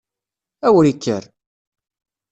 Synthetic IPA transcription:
æwɾikːəɾ

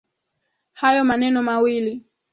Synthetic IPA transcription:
hajɔmanɛnɔmawili

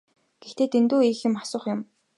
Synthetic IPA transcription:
ɡ̥ext̪ʰeːt̪ent̪uːiːxɪ̆mḁsʊ̆ːχjʊm

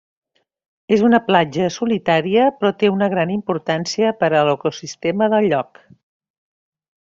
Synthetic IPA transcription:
ezunəplad͡ʒəsulit̪aɾiəpɾɔt̪eunəɣɾanimpuɾt̪ansiəpəɾələkusist̪eməðəlˠʎɔk

